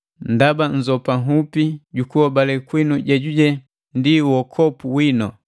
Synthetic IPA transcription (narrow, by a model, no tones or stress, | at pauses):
ndaband͡ʒɔpaŋupiɟukuɔbalɛkwinuɟaɟuɟɛ | ndiwɔkʰɔpuwinɔ